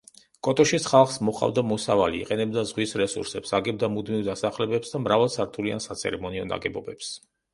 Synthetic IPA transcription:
kʼɔt̪ʼɔʃisχalˠχsmɔχa̰vd̪amɔsava̰lḭːqʼɛnɛbd̪azʁwisɾɛsṵɾsɛpsaɡɛb̚d̪amud̪mivd̪asaχlɛbɛpsd̪amɾavalˠsaɾt̪ʰulia̰nsat̪sʰɛ̰ɾɛmɔniɔna̰ɡɛbɔbɛps

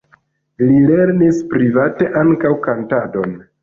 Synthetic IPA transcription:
lile̞ɾnispɾivate̞ʔaŋkawkantado̞n

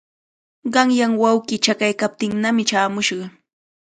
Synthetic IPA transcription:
ɢɑŋjaŋwawkɪt͡ʃakajkap̚t̪ɪŋnamɪt͡ʃaːmʊʃɢɑ

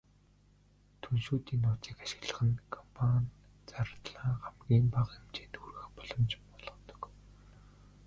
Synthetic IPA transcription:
t̪ʰunʃuːt̪iːnːʊːt͡s̪iːkaʃɪ̥̆ɣɮə̆χə̆nkʰɔmpʰanʲ | t͡saɾ̆t̪ɮaːχamɡʲiːmpaqemt͡ɕeːnt̪xurɣɘ̆xpɔɮɞ̆mt͡ɕpɔɮʁɞ̆t̪ɞ̥̆k

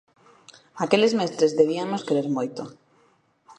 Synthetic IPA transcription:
akelezmest̪ɾezðeβ̞iamoskeɾeɾmojt̪o

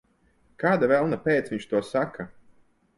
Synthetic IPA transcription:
kaːd̪avɛlˠnapʲeːt̪sviɲt͡ʃt̪uɔsaka

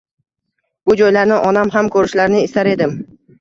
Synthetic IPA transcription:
b̥ʊd͡ʒɒjlaɾnɪʔɒnamɦamkʰɵɾɪʃlaɾnɪɪst̪aɾe̞d̪ɪm

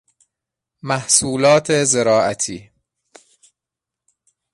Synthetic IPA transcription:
mæhsuːlɒːt̪ʰezeɾɒːʔæ̰t̪ʰiː

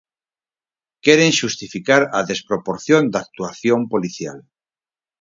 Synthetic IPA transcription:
keɾeŋʃust̪ifikaɾaðe̞spɾopoɾθjõnd̪ak̚t̪uaθjompoliθja̰l

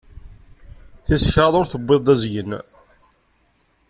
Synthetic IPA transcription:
θisə̥çɾɑðˤʊɾθəbːeðˤæzjən

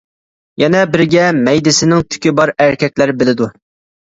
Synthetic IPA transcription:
jɛnɛbɪɾɡʲɛmɛjd̪ɪsɪnɪŋt̪ʰy̥kʲɪbɑɾæɾkʲʰɛkʲlæɾbɪlɪd̪u

